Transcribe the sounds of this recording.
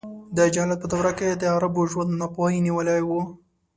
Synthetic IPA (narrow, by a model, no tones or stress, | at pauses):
d̪əd͡ʒalat̪̚pəd̪awɾaked̪əaɾaboʒwand̪napohiniwəlajwu